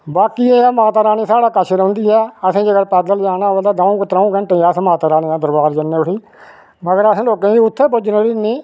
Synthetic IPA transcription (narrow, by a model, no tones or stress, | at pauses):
baːkiːeːmaːt̪aːɾaːniːsaːɽaːkət͡ʃʰɾə̃ːnd̪iːɛːəsẽːd͡ʒəɡəɾpɛːd̪əld͡ʒaːnãːəld̪aːd̪ãːũːkət̪ɾaːũːkəɳʈẽːaːsẽːmaːt̪aːɾaːniːãːd̪əɾbaːɾd͡ʒənːeːʊʈʰiː | məɡəɾəsẽːloːkẽːd͡ʒiːʊt̪ʰːeːpʊd͡ʒneːɾiːniː